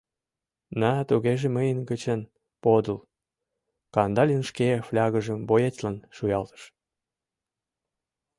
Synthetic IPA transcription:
nɑt̪uɣeʒeməjənɡət͡ɕən | pod̪ul | kɑnd̪ɑlʲənʃkeflʲɑɣəʒəmbojet̪lɑnʃujɑlt̪ə̥ʃ

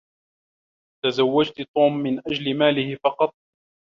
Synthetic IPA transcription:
t̪azawːad͡ʒt̪t̪ˤuːmːɪnʔad͡ʒlɪmaːlɪhɪfɑqɑt̪̚ˤ

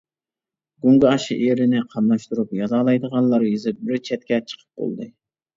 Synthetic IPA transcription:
ɡuŋɡɑɑʃiʔeɾɪnɪqʰɑmlˠɑʃt̪uɾupjɑzɑːlˠɑjd̪əʁɑnlˠɑɾjizɪp̚bɪɾt͡ʃʰɛt̪̚kʲɛt͡ʃʰə̥qʰə̥p̚bo̰lˠd̪ɨ

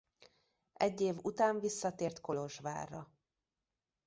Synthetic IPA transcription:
ɛɟːeːvut̪aːɱvisːɒt̪eːrt̪ko̞lo̞ʒva̰ːrːɒ

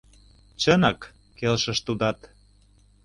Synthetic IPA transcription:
t͡ɕənɑk | kelʃə̆ʃt̪ud̪ɑt̪

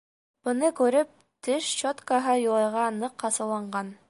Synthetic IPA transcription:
b̥ɤ̆nɤkʉɾɘp̚ | t̪ɘʃt͡ɕot̪kɑɦɤjŭlˠɑjʁɑnɤqːɑsɤ̆wlˠɑɴɢɑn

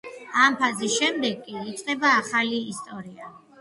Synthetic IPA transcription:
ampʰazisʃɛmd̪ɛɡkʼiːt̪sʼqʼɛbaːχaliːst̪ʼɔɾia

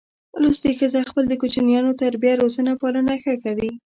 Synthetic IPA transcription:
lusd̪əxəzaxpəld̪əkot͡ʃnijɑnot̪aɾbjaɾozənapɑlənaxəkawi

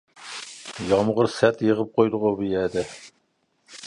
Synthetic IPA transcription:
jɑmʁəɾsæt̪jəʁəp̚qʰojd̪ʊʁəbijɛd̪ɛ

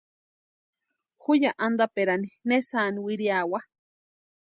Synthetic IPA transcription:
hujaʔand̪apeɾaninesaːniwiɾiawa

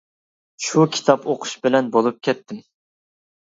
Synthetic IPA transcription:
ʃukʲʰi̥t̪ʰɑpoqʰʊ̥ʃbɪlɛnbolˠup̚kʲʰɛt̪ʰːɪm

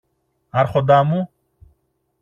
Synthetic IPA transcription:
aɾχod̪amu

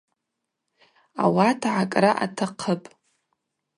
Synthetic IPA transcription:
a̰watʰʕakʼraʔa̰tʰaqʰəpʼ

